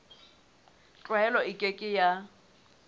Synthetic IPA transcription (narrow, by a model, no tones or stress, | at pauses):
t͡ɬʼwɛlɔɪkʼekʼɪja